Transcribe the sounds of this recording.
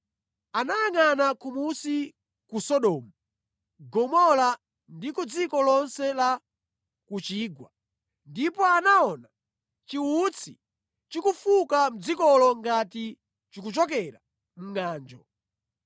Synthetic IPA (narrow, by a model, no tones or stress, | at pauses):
anajaŋanakumusi | kusɔɗɔːmu | ɡɔmɔla | ndikud͡zikɔlɔnsɛla | kut͡ʃiːɡwa̰ | ndipɔanaɔna | t͡ʃiut͡sʰi | t͡ʃikufukam̩d͡zikɔlɔŋɡati | t͡ʃikut͡ʃɔkɛɾa̰ | m̩ŋaːnd͡ʒɔ̰